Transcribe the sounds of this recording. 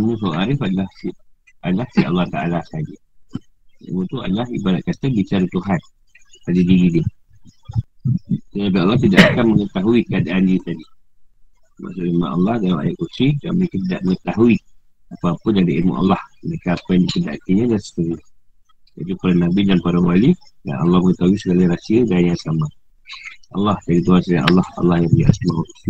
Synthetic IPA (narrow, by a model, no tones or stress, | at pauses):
amusawʔaɾɪfadəlahsi | adəlahsiʔɑ̰lˠːɑht̪aʔalasad͡ʒa | ḭmuʔt̪ua̰dəlaɦḭbadaʔ̪̚kat̪əbit͡ʃaɾut̪uɦat̪̚ | ad͡ʒadiɡidi | t̪ət̪ap̬iɑlːɑht̪idaʔakanməŋət̪aɦuikəadaʔandiət̪adi | ma̰ʔsʊʔima̰ʔa̰lːɑhdaa̰jaʔkusida̰nməɾekat̪idaʔməŋət̪aɦui | apəapədadiʔimṵʔa̰lːɑhməɾekaːpəjandikəda̰ʔt̪iɲadansə̥t̪əɾi | ja̰ʔit̪upalanabidanpaɾawalida̰nɑ̰lːɑhməŋət̪aɦuisəɡalaɾasiəɡaɲãsama | ʔɑ̰lːɑhd͡ʒadit̪uasaʔa̰lːɑhɑ̰lːɑhjabəja̰ʔsəmaut̪